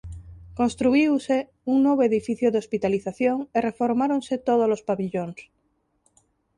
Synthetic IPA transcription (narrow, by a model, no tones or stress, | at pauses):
kõ̞nst̪ɾuiwse | uŋnwoβoeðifiθjoðeo̞spit̪aliθaθjoŋere̞fo̞ɾmaɾonse̞t̪oð̞olo̞spaβiʎons